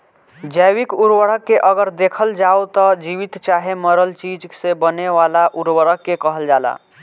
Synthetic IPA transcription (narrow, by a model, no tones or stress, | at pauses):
d͡ʒəjwikuɾwəɽəkːeʔəɡəɾd̪ekʰəld͡ʒaot̪əd͡ʒiʋit̪t͡ʃaɦeməɾəlt͡ʃid͡ʒsẽbəneʋalaʔuɾwəɽəkːekəɦəld͡ʒala̰